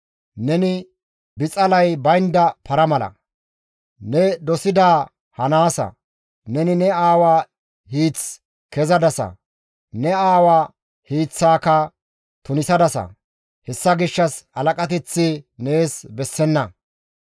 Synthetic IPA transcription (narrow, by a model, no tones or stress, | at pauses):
nɛnɪ | bɪt͡sʼɐlɐjbɐjnd̪ɐpɐɾɐmɐlɐ̰ | nɛd̪ɔsɪd̪aː | hɐnaːsɐ̰ | nɛnɪnɛaːwaː | hiːt͡s | kɛzɐd̪ɐsɐ̰ | nɛaːwaː | hiːt͡sːaːkɐ | t̪ʊnɪsɐd̪ɐsɐ̰ | hɛsːɐɡɪʃːɐshɐlɐkʼɐt̪̬ɛt͡sːɪneːsbɛsːɛnːɐ